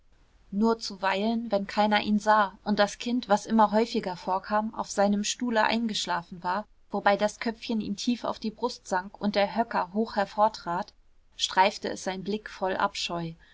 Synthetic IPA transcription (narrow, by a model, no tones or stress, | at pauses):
nuːɐt͡suvaɪlənvɛnkʰaɪnɐʔiːnzaːʊnt̚d̥askʰɪntv̥asʔɪmɐɦɔʏfɪɡɐfoːɐkʰaːma̰ʊfz̥aɪnəmʃtuːləʔa̰ɪnɡəʃlaːfn̩vaːɐ | v̥obaɪdaskʰœp͡fçənḭːmtʰiːfa̰ʊfd̥iːbʁʊstz̥aŋkʊntd̥eːɐɦœkɐɦoːxhɛɐfoːɐtʁ̥aːt | ʃtʁ̥aɪftəɛ̰sz̥aɪnblɪkfɔlʔa̰pʃɔʏ